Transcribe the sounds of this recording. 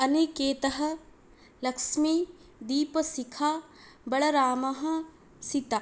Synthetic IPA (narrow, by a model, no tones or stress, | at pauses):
ɐnikeːt̪ɐɦɐ̆ | lɐkʃmi | d̪iːpɐsikʰaː | bɐɽɐɾaːmɐɦɐ | sit̪a